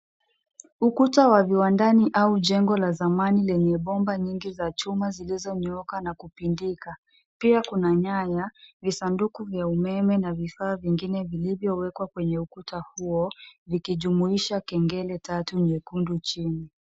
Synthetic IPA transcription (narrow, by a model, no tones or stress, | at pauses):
ukutawaviwandaniʔauʄɛŋɡɔlazamanilɛɲɛɓɔmbaɲiŋɡizat͡ʃumazilizɔɲɔkanakupindika | piakunaɲajavisandukuvjaumɛmɛnavifaːviŋɡinɛvilivjɔwɛkwakwɛɲɛukutahuɔvikiʄumuiʃakɛŋɡɛlɛtatuɲɛkundut͡ʃini